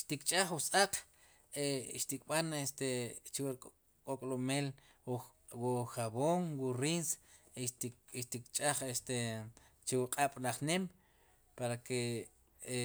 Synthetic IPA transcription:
ʃt̪ikʼt͡ʃʼaχwusʼaqʰʼ | eʃt̪ikʼɓanest̪et͡ʃwɾ | kʼokʼlomel | wuxaβoŋwuɾins | eʃʃt̪ikt͡ʃʼaχest̪e | t͡ʃewuqʼaɓ̥laχnem | paɾake

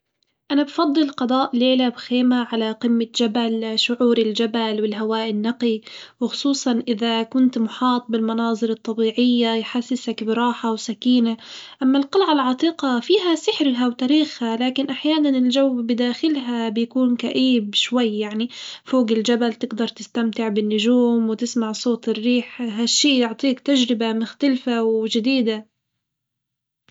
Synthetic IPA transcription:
ʔanabfɑd̪ˤːɨlqɑd̪ˤɑːʔleːlabxeːmaʕalaqɪmːad͡ʒabalʃʊʕuːɾɪld͡ʒabalwɪlɦawaːʔɪnːaqiwɪxʊ̥sˤuːsˤɑnʔɪðakʊnt̪mʊħɑːt̪̚ˤbɪlmɑnɑːzˤɨɾɨt̪ˤːɑbiːʕɪjːajħasːɪsakbɪɾˤɑːħawsakiːnaʔamːalqɑlʕalʕɑt̪ˤiːqɑfiːɦasɪħɾɦawt̪aɾiːxhalaːkɪnʔaħjaːnanɪld͡ʒawːbɪd̪aːxɪlɦabjakuːnkaʔiːbʃwajːjaʕnifoːɡɪld͡ʒabalt̪ɪɡd̪ɑɾˤt̪ɪst̪amt̪ɪʕbɪnːʊʒuːmwɪt̪ɪsmaʕsˤoːt̪ˤɪrːiːħɦaʃːiːjʊʕt̪ˤiːkt̪aʒɾɪbamʊxt̪alfawʒɪd̪iːd̪a

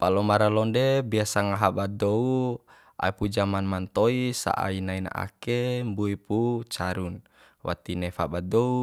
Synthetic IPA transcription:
palɔmaɾalɔndebiasaŋaɦabad̪ɔu | a̰ipud͡ʒamanmant̪ɔisa̰ʔa̰inaina̰ʔa̰kembuiput͡ʃaɾun | wa̰t̪inɛfabad̪ɔu

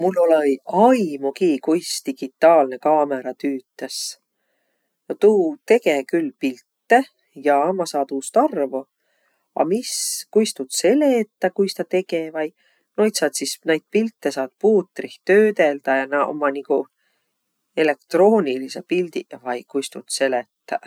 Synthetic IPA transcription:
mulːolejɑjmukiːkujst̪iɡ̥it̪ːˑɑːlne̞kɑːmeɾɑt̪yːt̪ːˑes | t̪uːt̪e̞ɡekylːpilt̪ːe | jɑɑmɑsɑːd̪uːst̪ɑrvo | ɑ̰miskujst̪ut̪se̞let̪ːɑkujst̪ɑt̪e̞ɡ̥evɑj | no̞jt̪sɑːt̪sisnejd̪̥̚pilt̪ːe̞sɑːd̪̥̚puːt̪ːˑriht̪øːd̪e̞ld̪̥ɑjɑnɑo̰mːɑniku | e̞le̞kt̪ro̞ːnʲilisepild̪ivɑjkujst̪ut̪se̞let̪ːɑ

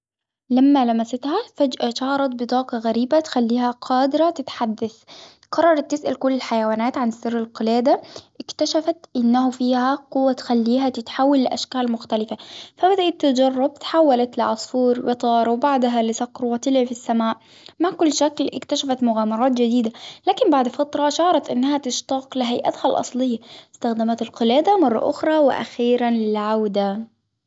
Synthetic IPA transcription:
lamːalamasat̪hafad͡ʒʔaʃɑhɑɾˤɑt̪̚bɪt̪ˤɑːqɑɣaɾiːbat̪xalːiːhaqʰɑːd̪ɪɾat̪ɪt̪ħad̪ːaθ | qʰɑrˤːɑɾˤɑt̪ːɪsʔalkʊlːɪlħajawaːnaːt̪ʕanɪsːɪrːɪlqɪlaːd̪aʔɪkt̪aʃafat̪ʔɪnːaɦʊfiːhaqʊwːat̪xalːiːɦat̪ɪt̪ħaːwːalːɪʔaʃkaːlmʊxt̪alɪfafabad̪aʔɪt̪ːɪd͡ʒɑrˤːɑb̚t̪ħawːalat̪lɪʕɑsˤfuːɾwɪt̪ˤɑːɾˤwbaʕd̪ɦalɪsɑqɾwat̪ɪlʕifisːamaːʔ | maʕkʊlːʃaklʔɪ̰kt̪aʃafat̪mʊɣaːmɑɾˤɑːt̪d͡ʒɪd̪iːd̪alaːkɪmbaʕd̪fɑt̪ɾˤɑʃɑʕɾˤɑt̪ʔɪnːhat̪ɪʃt̪ɑːqlɪɦajʔa̰t̪halʔɑ̰sˤlɪjːaɪst̪axd̪amat̪ɪlqɪlaːd̪amɑrˤːɑ̰ʔʊ̰xɾˤɑwɪ̰ʔa̰xiːɾanlɪlʕawd̪a

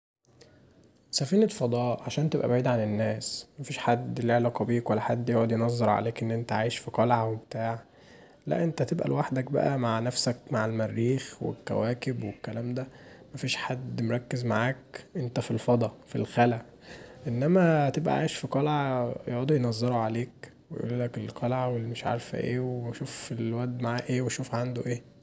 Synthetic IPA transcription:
sæfiːnet̪fɑd̪ˤɑːʔʕaʃæːnt̪ebʔæ̰baʕiːd̪ʕanenːæːsmæfiːʃħad̪ːleʕlæq̪ˤɑbiːkwælːæħad̪ːjoʕod̪jenɑzˤːɑɾˤʕa̰leːkʔenːʔent̪æʕaːjeʃfiqɑlʕawebet̪aːʕa | læ̰ʔent̪æt̪ebʔæ̰lwaħd̪æk̚bæ̰ʔæmaʕnæfsækmaʕelmærːiːxwḛkːæ̰wæːkebwekːælæːmd̪æmæfiːʃħad̪ːmoɾˤɑkːezmaʕaːkʔent̪æfilfɑd̪ˤɑfilxælæ | ʔenːæmæt̪ebʔæ̰ʕa̰jeʃfiqɑlʕajoʔd̪ijnɑzˤːeɾoʕaleːk | wejʔṵːllækelqʰɑlʕawelːimeʃʕa̰ɾfæ̰ʔḛːweʃuːfilwæd̪maʕaːʔeːweʃuːfʕand̪oʔeː

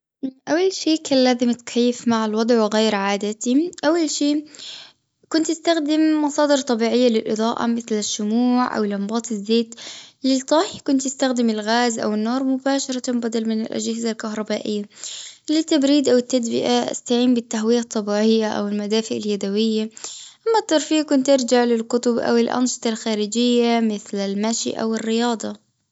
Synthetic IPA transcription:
ʔawːalʃiːkʰanlaːzɪmt̪kʰajːɪfmaʕalwɑd̪ˤʕwɪɣaːɾʕaːd̪at̪iʔawːalʃiː | kʊnt̪ʔɪst̪axd̪ɪmːɑsˤɑːd̪ɨɾt̪ˤːɑbiːʕɪjːalɪlʔɨ̰d̪ˤɑːʔa̰mɪθlɪʃːʊmuːʕʔa̰wɪlʔɑmbɑːt̪ˤɪzːeːt̪lɪt̪ˤɑːħkʊnt̪ɪst̪axd̪ɪmɪlɣaːzʔa̰wɪnːoːɾˤmʊbaːʃɑɾˤɑbad̪ɑlmɪnɪlʔa̰d͡ʒhɪzalkaɦɾˤɑbaːʔɪjːalɪt̪ːabɾiːd̪ʔawɪt̪ːad̪bɪ̰ʔaʔa̰st̪aʕiːmbɪt̪ːaɦwiːat̪ˤːɑbiːʕɪjːaʔa̰wɪlmad̪aːfɪʔaljad̪awɪjːaʔamːat̪ːɑɾˤfiːkʊnt̪ʔɑɾd͡ʒaʕlɪlkʊt̪ʊbʔa̰wɪlʔa̰nʃɨ̥t̪ˤɑlxaːɾɪd͡ʒɪjːamɪθlalmaʃḭʔa̰wɪrːɪjɑːd̪ˤɑ

